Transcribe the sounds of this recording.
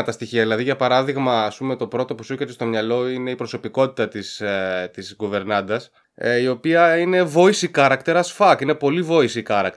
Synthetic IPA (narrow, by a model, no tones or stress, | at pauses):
ɐt̪ɐst̪içiɐðilɐðiʝɐpɐɾɐðiɣmɐːspume̞t̪o̞pɾo̞t̪o̞pusuket̪est̪omɲɐlo̞ine̞ipɾo̞so̞piko̞t̪i̥t̪ɐt̪ist̪izɣuve̞ɾnɐnd̪ɐs | io̞piɐine̞vo̞isikɐɾɐkt̪e̞ɾɐsfɐkine̞po̞livo̞isikɐɾɐk̚t̪